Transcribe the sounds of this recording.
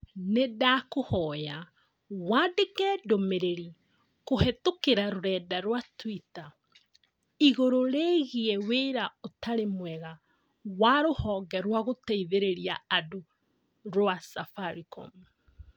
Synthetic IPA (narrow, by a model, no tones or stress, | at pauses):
nedakohɔːja | wadekɛdomeɾeɾi | kohɛtokeɾaɾoɾɛːdaɾwatwita | iɣoɾoɾeɣiɛweɾaotaɾemwɛɣa | waɾohɔːɡɛɾwaɣotɛiðeɾeɾiaado | ɾwasafaɾikɔ̰mu